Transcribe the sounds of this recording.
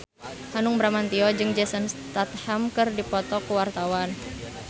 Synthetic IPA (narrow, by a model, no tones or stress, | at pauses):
hanʊŋbɾamant̪iɔd͡ʒɨŋd͡ʒɛsənst̪at̪̚hamkɨrdipɔt̪ɔkuwart̪awan